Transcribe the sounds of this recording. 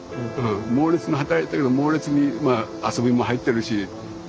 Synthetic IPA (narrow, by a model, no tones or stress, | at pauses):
ɯ̟̃ːmo̞ːɾʲet͡sɨnoɦat̪aet̪ːake̞d̪omo̞ːɾʲet͡sɨɲ̟imaːaso̞bʲimo̞ɦait̪ːe̞ɾɯ̟ɕi